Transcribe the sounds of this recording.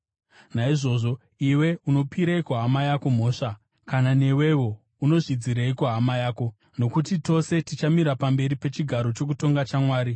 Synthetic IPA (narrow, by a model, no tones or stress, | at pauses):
naiʐo̞ːʐo̞ | iwe̞uno̞piɾaikuɦamajako̞m̤o̞ːʂa | kanane̞we̞wo̞ | uno̞ʐid͡ziɾeikuɦamajaːko̞ | no̞kutito̞se̞tit͡ʃamiɾapambe̞ɾipe̞t͡ʃiɡʱaɾo̞t͡ʃo̞k̬uto̞ŋɡat͡ʃamwaːɾi